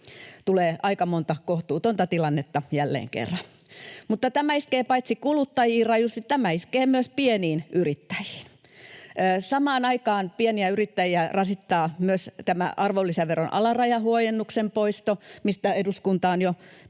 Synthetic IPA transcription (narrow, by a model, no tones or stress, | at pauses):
t̪uleːʔɑikɑmont̪ɑkoht̪uːt̪ont̪ɑt̪ilɑnːet̪ːɑjælːḛːŋkḛrːɑn | mut̪ːɑt̪æmæiskeːpɑit̪sikulut̪ːɑjiːrɑjjust̪it̪t̪æmæiskeːmyøspieniːnʔyrit̪ːæ̥ji̥ːnː | sɑmɑːnɑikɑːnpieniæyrit̪ːæjiærɑsit̪ːɑːmyøst̪æmæ̰ʔɑrʋolːiseʋeronʔɑ̰lɑrɑjɑhuojenːuksempoist̪omist̪æeduskunt̪ɑːnjo